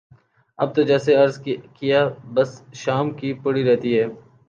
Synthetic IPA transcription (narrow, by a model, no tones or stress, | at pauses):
ɐ̰b̚t̪od͡ʒɛːseɐɾzkijabɐsʃaːmkipɐɽiɾɛɦt̪iɦɛː